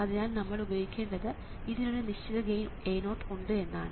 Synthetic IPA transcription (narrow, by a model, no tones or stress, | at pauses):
ɐðinaːlnɐmːɐɭubɐjoɣikʲːe̞ːɳɖɐðɨ | iðinuɽeniɕt͡ɕːɐðɐɡen | eːjno̞ːʈːuɳɖɨe̞nːa̰ːn